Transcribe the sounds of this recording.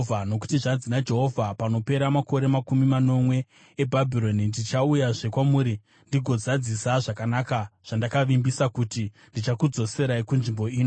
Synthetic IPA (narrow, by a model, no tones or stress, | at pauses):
ano̞k̬u̥tiʐad͡zinad͡ʒe̞ɦo̞vʱapano̞pe̞ɾamako̞ɾe̞makumimano̞mwe̞ | ebʱabʱiɾo̞nindit͡ʃaujaʐe̞kwamuːɾi | ndiɡʱo̞zad͡zisaʐakanakaʐ̥andakaʋimbisakuti | ndit͡ʃakud͡zo̞se̞ɾaikunʐimbo̞iːno